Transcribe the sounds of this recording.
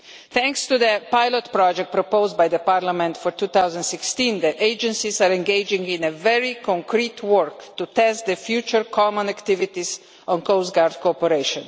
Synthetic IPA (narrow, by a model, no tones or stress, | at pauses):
t̪ɛ̃ŋkst̪ud̪əpajlɔt̪pɾɔd͡ʒɛk̚t̚pɾɔpoʊzd̪bajd̪əpaɾlamɛ̃nt̪fɔɾt̪uːt̪awzə̃nt̪sikst̪ĩnd̪əʔeɪd͡ʒɛ̃nsisaɾɛ̃nɡeɪd͡ʒĩŋɡĩnɛvɛɾikɔ̃ŋkɾiːt̪ʰwɔɹkt̪ut̪ɛst̪̚d̪əfjuːt͡ʃəɾkʰɔmɔ̃nakt̪iʋit̪is | ɔ̃nkoʊsɡaɾd̪̚kopəɾeɪʃɔ̃n